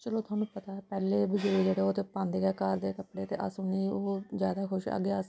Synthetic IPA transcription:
t͡ʃəloːt̪ʰʊaːnũːpət̪aːɛpɛːleːbɪd͡ʒoiːd͡ʒeːɽeːoːt̪eːpãːnd̪eːɡɛːkaːɾd̪eːkəpɽeːt̪eːʔə̰sõːnĩːoːzjaːd̪aːkʰʊʃə̰ɡeːəs

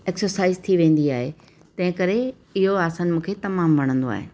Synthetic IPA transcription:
eːksəɾsaːɪzt̪ʰiʋẽːn̆d̪iaːɦe | t̪ɐ̃ɦɪ̃kɐɾe | ɪɦoaːsaːnmũːkʰet̪ɐmaːmʋɐɽ̃ə̃nd̪oa̰ːɦɪ̰nɪ̆

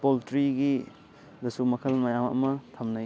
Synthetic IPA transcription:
poltɾiɡi | dɐsumɐkʰɐlmɐjamɐ̰mɐtʰɐmnaj

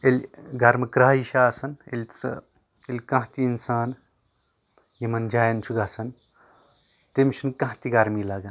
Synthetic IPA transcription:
elʲɡɐɾmɐkɾaːiʃaːsɐnḛlʲt͡sɨ̰ | elʲkãɦt̪iːnsaːn | jimɐnd͡ʒaːjɐnt͡ʃʰuɡɐsɐn | t̪emʃʰunkãɦt̪iɡɐɾmiːlaːɡɐn

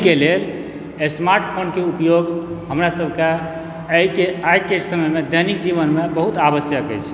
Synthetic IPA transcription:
kelel | esmaɾʈpʰonkeupjoɡɦəmɾasəbʱke | əjkeajkeʈsəməjmed̪əjnikd͡ʒiβənmebəɦut̪abəsjəkɛ̰jt͡ʃʰ

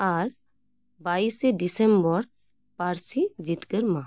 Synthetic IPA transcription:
aɾ | baiseɖisembɔɾ | paɾsid͡ʒit̪kəɾmã

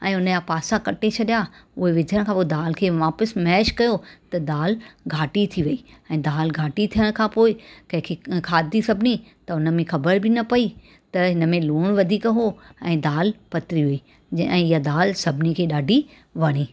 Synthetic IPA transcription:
ɛ̃ːʊnəjapaːsakɐʈet͡ɕʰɐɗjaʊɦeʋɪd͡ʑʱəɽ̃kʰãːpoːɪd̪aːlkʰeːʋaːpəsmɛːʃkɐjot̪ɐd̪aːlɡʱaːʈit̪ʰiʋɐi | ɛ̃ːd̪aːlɡʱaːʈit̪ʰijəɽ̃kʰãːpoːɪkɐ̃ɦɪ̃kʰekʰaːd̪isɐbʱnit̪ɐʊnə̆mẽxɐbəɾbɪnɐpɐi | t̪ɐɦɪnəmẽluːɽ̃ʋɐd̪ʱiːkɦoɛ̃ːd̪aːlpɐt̪ɾiɦʊi | ɛ̃ːɪjad̪aːlsɐbʱɪnikʰeːɗaːɖʱi | ʋɐɽ̃iː

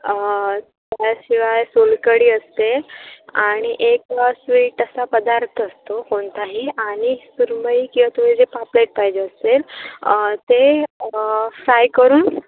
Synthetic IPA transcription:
t̪jaɕiʋajsolkəɽiːəst̪eaɽ̃iʔeksʋiːʈəsapəd̪aɾt̪ʰəəst̪okoɳt̪aɦiaɽ̃isuɾməikĩw̃ʋat̪uʋed͡zepapleʈ̚pajd͡ʑeəsel | t̪e | fɾajkəɾuːn

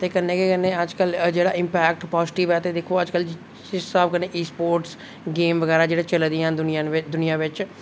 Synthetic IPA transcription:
t̪eːkənːeːkekənːeːəd͡ʒkəld͡ʒeːɽaːɪmpɛːkʈpɔːzɪʈiːʋɛːt̪eːd̪ekʰoːəd͡ʒkəl | ɪsaːbkənːeːʔiːspoːɾʈs | ɡeːmʋəɡɛːɾaːd͡ʒeːɽeːt͡ʃəld̪ĩãd̪ʊnɪaɪd̪ʊnijãːʋɪt͡ʃ

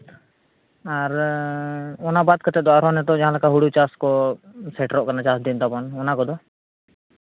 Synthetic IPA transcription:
aɾ | ɔnabad̪̚kət̪ɛt̪̚d̪ɔaɾɔnɛt̪ɔd͡ʒaɦãlakaɦuɽut͡ʃaskɔsɛʈɾɔʔkanat͡ʃasd̪int̪abɔnɔnakɔd̪ɔ

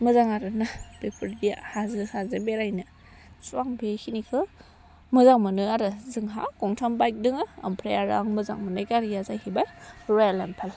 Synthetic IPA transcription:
mɯzaŋaɾɯnab̥epʰɯɾbija̰hazɯhazɯbeɾajna | suaŋbekʰinikʰɯ | mɯzaŋmɯnɯaɾɯzɯŋɦa̰kɔŋtʰambajk̚dɯŋɯa̰mpʰɾejaɾa̰ŋmɯza̰ŋmɯnɯjkaɾijazajhibajɾɔjalampʰal

